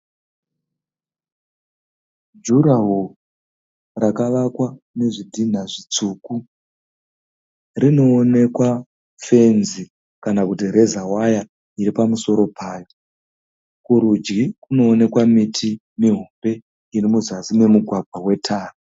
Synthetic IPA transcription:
d͡ʒuɾaɦu | rakaʋakwa | ne̞ʐidʱin̤aʐit͡suːku | rino̞ːne̞kwa | fe̞nzi | kanakutiɾe̞zawaja | iɾipamuso̞ɾo̞pʰaːjo̞ | kuɾud͡ʒɡikuno̞ːne̞kwamitʰi | miɦumbe̞ | irimuzazine̞muɡʱwaɡʱwawe̞tʰaːra

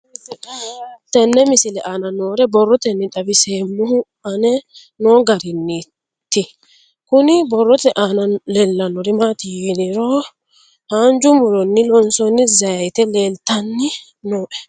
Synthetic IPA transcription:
t̪ɛnːɛmɪsɪlɛʔanɐnoːɾɛbɔrːɔt̪ɛnːɪᶑ̪ɐbɪseːmːʊhʊ | ɐnɛ | noːɡɐɾɪnːi | t̪ːɪ | kʊnɪbɔrːɔt̪ɛʔanɐlɛlːɐnːɔɾɪmat̪idɪɾɔ | haːnd͡ʒʊmʊɾɔnːɪlɔnsɔnːɪzɐjɐjt̪ɛleːlt̪ɐnːɪ | noːʔɛ̥

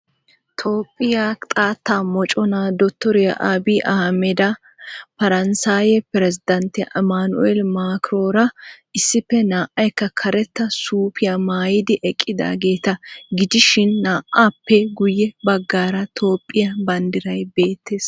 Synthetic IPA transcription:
t̪ʰo̞ːpʼːɪjat̪ʼaːt̪ːaːmɔt͡ʃʼɔnaːd̪ɔt̪ːɔɾɛjɐ̰ʔaːbiːʔɐhmɛd̪ɐ | pɐɾɐnsaːjɛpɛɾɛzɪd̪ɐnt̪ɪʔɐmaːnʊʔelmaːkɾoːɾɐɪsːɪpːɛnaːʔɐjkːɐkʰɐɾɛt̪ːɐsuːpʰɪjamaːjɪd̪ɪʔɛkʼːɪd̪a̰ːɡe̞ːt̪ɐɡɪd͡ʒ̪ɪʃɪnːaːʔapːɛɡʊjːɛbɐɡːaːɾɐt̪ʰo̞ːpʼːɪjɐbɐnd̪ɪɾɐjbe̞ːt̪ːeːs

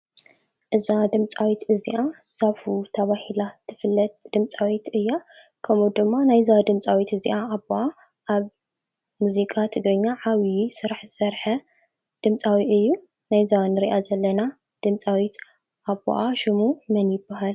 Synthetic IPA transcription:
ʔɨzad̪ɨmt͡sʼawit̪ɨziʔa | z̥afut̪ʰɐβahilat̪ʰɨfɨlːɐt̪̚d̪̥ɨmt͡sʼawit̪ɨjːa | kʰɐmud̪ɨmːanajzawd̪ɨmt͡sʼawit̪ɨzḭʔaːβoʔa | ʔaβ | muzikʼʰat̪ʰɨɡɾɐɲːaʕaβisɨɾaħzɨsɐɾħɐ | d̪̥ɨmt͡sʼawiʔɨjːu | najzawnɨɾiʔazɐlːɐna | d̪̥ɨmt͡sʼawit̪ | ʔaβo̰ʔaʃɨmumɐnjɪbːaɦal

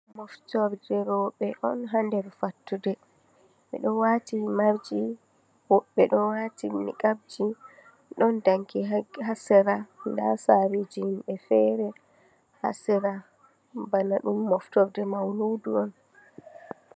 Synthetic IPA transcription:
mɔftɔɾdɛɾɔɓɛʔɔnɦandɛɾfatːudɛ | ɓɛ̰ɗɔnwatimaɾd͡ʒi | wɔɓːɛɗɔnwatimḭkab̚d͡ʒi | ɗɔndaŋkiaɦasɛɾanda̰saɾid͡ʒimɓɛfɛɾɛ | ha̰sɛɾa | banaɗumːɔftɔɾdɛmawluduɔn

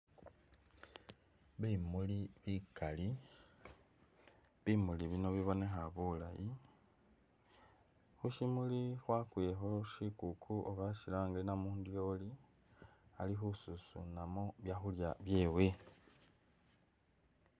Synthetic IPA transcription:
βimuliβikali | βimuliβino̞βiβo̞ne̞xaβula̰ji | xuʃimulixwakwexo̞ʃikukʰuʔoβaʃilaːŋɡenamuːndjo̞li | alixususṵnamoβjaxuljaβje̞ːwe̞

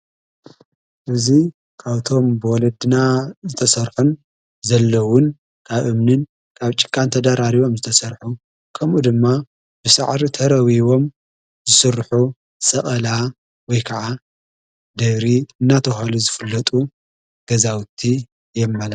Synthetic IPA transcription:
ʔɨzi | kʰaβt̪ʰo̞mbɨwɔlɐd̪ɨnazɨt̪ʰɐsɐɾħun | zɐlːɐwʊn | kʰaβʔɨmnɨn | kʰaβt͡ʃʼɪ̥kʼːant̪ʰɐd̪aɾaɾiβo̞mzɨt̪ʰɐsɐɾħu | kʰɐmʔud̪ɨmːa | b̥ɨsɨ̰ʕɾit̪ʰɐɾɐwiβo̞m | zɨsɨrħu | sʼɐχʼɐla | wɔjkʰɐʕa | d̪ɐβɾiɨnːat̪ʰɐxaluzɨfɨlːɐt̪ʼu | ɡ̥ɐzawt̪ʰːi | jɛmːɐla

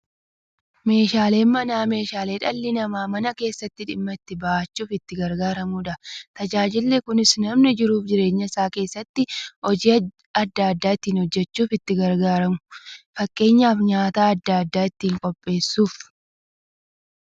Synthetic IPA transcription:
me̞ːʃaːle̞ːnmɐnaːme̞ːʃaːle̞ːᶑɐlːɪnɐmaːmɐnɐke̞ːsːɐt̪ːɪᶑɪmːɐɪt̪ːɪbɐʔat͡ʃːuːfɪt̪ːɪɡɐɾɡaːɾɐmuːᶑɐt̪ɐd͡ʒaːd͡ʒɪlːekʊnɪsnɐmnɪd͡ʒɪɾuːfd͡ʒɪɾe̞ːɲːɐɪsaːke̞ːsːɐt̪ːɪʔɔd͡ʒi | ɐd̪ːaɐd̪ːaːɪt̪ːiːnhɔd͡ʒːɛt͡ʃːuːfɪt̪ːɪɡɐɾɡaːɾɐmʊ̥fɐkʼːe̞ːɲːaːfɲaːt̪aːɐd̪ːaɐd̪ːaːɪt̪ːiːŋkʼɔpʼːe̞ːsːuːf

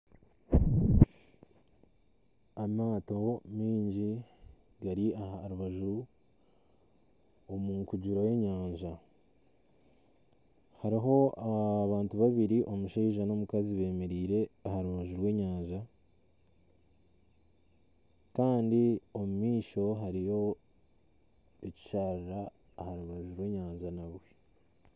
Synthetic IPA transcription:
amaːto̞miːɲɟi | ɡaɾiahaɾuβaʒu | omuŋkuɟuɾaje̞ɲaːɲʒa | haɾiɦo̞aβaːntuβaβiɾiʔo̞muʃeːʒano̞mukaziβe̞ːme̞ɾiːɾe̞ahaɾuβaʒuɾwe̞ːɲaːɲʒa | kaːndio̞mumiːʃo̞ɦaɾijo̞ | eci̥ʃaːɾiɾaː | haɾuβaʒuɾwe̞ːɲaːɲʒanaβwe̞

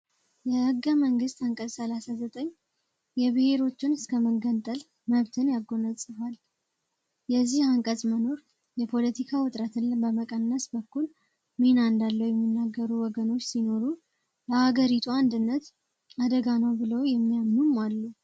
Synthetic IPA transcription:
jɛhɨɡːəməŋɡɨst̪aŋkʼəzsəlasazət̪ʼəɲː | jɛβɨhe̞ɾo̞t͡ʃːɪnɨskʰəməɡənt̪ʼəl | məβt̪ʰɨnjaɡːonəsʼɨfal | jɛzːihaŋkʼəzʼməno̞ɾ | jɛpʰo̞lət̪ʰikʰawʊt̪ʼɾət̪ʰɨnːbəməkʼənːəsbəkːul | menaɨnd̪alːəwjɛmːinːaɡːəɾuwɔɡəno̞t͡ʃːsino̞ɾu | bəhaɡəɾit̪ʰuand̪ɨnːət̪ | ad̪əɡanəwbɨləwjɛmːijamːumalːu

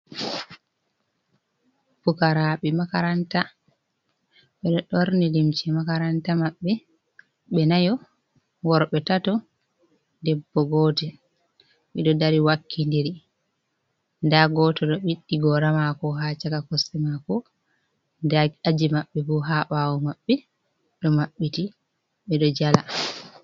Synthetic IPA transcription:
fukaɾaɓɛmakaɾanta | ɓɛɗɔɗoɾnilimt͡ʃɛmakaɾantamaɓːɛ | ɓɛnajɔ | wɔɾɓɛtatɔ | dɛbːɔɡɔtɛ | ɓɛɗɔdaɾiwakʰːindiɾi | ndaɡɔtɔɗɔɓiɗːiɡɔɾamakɔɦat͡ʃakakɔsːɛmakɔ | daad͡ʒimaɓːɛbuɦaɓawɔmaɓːɛ | ɗɔmaɓːiti | ɓɛɗɔd͡ʒala

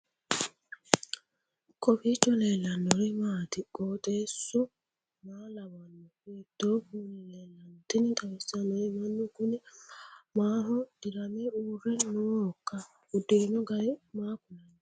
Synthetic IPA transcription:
kopit͡ʃɔlelanoɾimadɪkɔteso | malawanokedobunelɛlantenitawesianoimanuɡunemaɦʊd̥iɾameuɾenoka | odeɲoɡaɾɪmakʊnaɲa

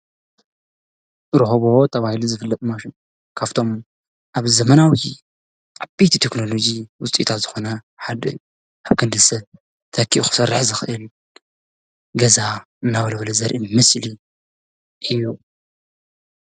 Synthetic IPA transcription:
ɾɨhoβot̪ʰɐβahilizɨfɨlːɐt̪ʼmaʃin | kʰaft̪ʰo̞m | ʔaβzɐmɐnawi | ʔabejt̪ʰit̪ʰekno̞lo̞d͡ʒiwʊt͡sʼḭt̪ʰat̪z̥ɨxo̞nɐ | ħad̪ɐu | ʔaβkʰɨnd̪ɨsɐβ | t̪ʰɐkʰːiʔuxɨ̥sɐrːɨħzɨxɨʔɨl | ɡɐza | ɨnːaβɐlɐβlɐzɐɾʔimɨsli | ʔɨju

